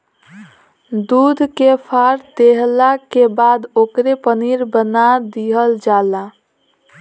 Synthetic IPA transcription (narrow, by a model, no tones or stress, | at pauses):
d̪ud̪ʱkepʰaɾd̪eɦlakebad̪okɾepəniɾbənad̪iɦəld͡ʒala